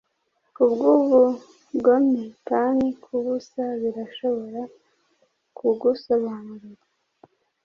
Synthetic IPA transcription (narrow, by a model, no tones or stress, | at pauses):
ubɡuːβu | bɡomɲekanikʰuβusaβiɾaʃo̞βo̞ɾa | kʰuɡusoβanuɾuɾa